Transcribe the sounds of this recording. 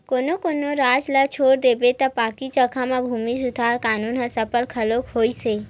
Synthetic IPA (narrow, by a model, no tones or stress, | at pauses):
koːnokonoɾaːd͡ʒlət͡ʃʰoːɾd̪eːbet̪ɐpaːkit͡ʃəkʰamãbʱuːmisʊd̪ʱaːɾkaːnuːnɦəsɐpəlkʰəloːkhoːiseː